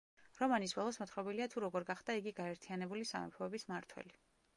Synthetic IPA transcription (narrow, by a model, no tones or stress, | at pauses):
ɾɔmanisbɔlˠɔsmɔt̪ʰχɾɔbiliat̪ʰuɾɔɡɔɾɡaχd̪aiɡiɡaɛɾt̪ʰianɛbulisa̰mɛ̰pʰɔɛbismaɾt̪ʰwɛ̰li